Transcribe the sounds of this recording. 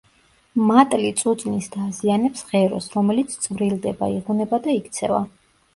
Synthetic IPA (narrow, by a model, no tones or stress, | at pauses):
mat̪ʼlit̪sʼut̪sʼnisd̪̥azianɛpsʁɛɾɔ̰sɾɔmɛlit̪sʰt̪sʼvɾilˠd̪ɛba̰iʁɔnɛbad̪aikʰt̪sʰɛ̰va̰